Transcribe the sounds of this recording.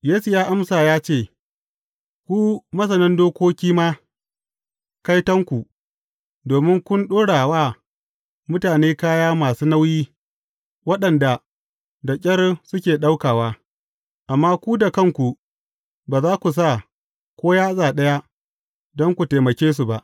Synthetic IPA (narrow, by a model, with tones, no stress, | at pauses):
jeː˦su˨jaː˦ʔa˦msaː˨jaː˦t͡ʃeː˦˨ | kʷuː˦mɐ˦s̬ɐ˨nɪ˦ndoː˦kʷoː˦kʲiː˦maː˦ | ka˦jtɐ˦ŋkʷu˨ | doː˨mɪ˦ŋkʷʊ˦nɗoː˦ɽaː˨waː˦ | mʊ˦taː˨neː˦kaː˦jaː˦maː˨suː˦na˦wjiː˦ | wɐ˦ɗɐ˨nda˨ | da˨kʲʼɐ˦rsʊ˦kʲeː˨ɗa˦wkaː˨waː˦ | ʔa˨mːaː˦kʷu˦da˨kɐ˦˨ŋkʷu˨ | baː˨zaː˦kʷu˨s̬a˦˨ | kʷoː˦jaː˦sʼaː˨ɗɐ˦ja˦ | dɔ˦ŋkʷu˨teː˨mɐ˨kʲeː˦s̬u˨ba˨ʔ